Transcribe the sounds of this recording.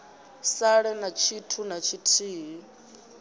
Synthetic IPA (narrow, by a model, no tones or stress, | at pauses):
saɺɛnat͡ʃʰitʰunat͡ʃʰitʰiːɦi